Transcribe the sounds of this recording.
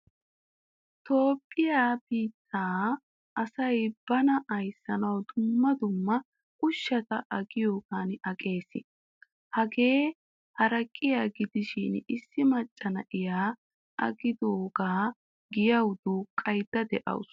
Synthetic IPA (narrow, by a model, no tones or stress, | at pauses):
t̪o̞ːpʼːɪjaːbiːt̪ʰːaː | ʔɐsɐjb̥ɐnɐʔɐjsːɐnɐwd̪ʊmːɐd̪ʊmːɐ | kʼʊʃːɐt̪ɐʔɐɡɪjo̞ːɡaːnɐkʼe̞ːsɪ̰ | hɐɡe̞ː | hɐɾɐkʼːɪjaːɡɪd̪ɪʃɪnɪsːɪmɐt͡ʃʼːɐnɐʔɪjaː | ʔɐ̰ɡɪd̪oːɡaː | ɡɪjɐwd̪oːkʼːɐjd̪̥ːɐd̪ɛʔɐ̰w̰s